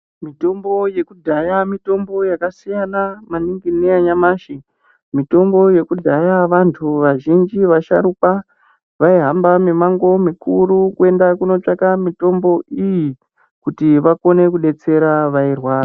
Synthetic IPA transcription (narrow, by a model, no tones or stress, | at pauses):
mito̞mbo̞je̞kudʱajamito̞mbo̞jakasijanamaniŋɡineaɲamaːʃi | mito̞mbo̞je̞kudʱajaʋantʰuʋaʒind͡ʒiʋaʃa̰ɾupa | ʋaiɦambame̞maŋɡo̞mikʰuɾukue̞ndakuno̞t͡ʂakamito̞mbo̞ʔiji | kutiʋako̞ne̞kuɗe̞t͡se̞ɾaʋairwaːra